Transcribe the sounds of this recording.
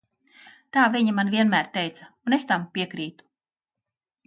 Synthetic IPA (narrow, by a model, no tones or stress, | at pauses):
t̪aːvʲiɲamanviɛnmæːɾt̪ɛjt̪saunest̪ampʲiɛkɾiːt̪u̥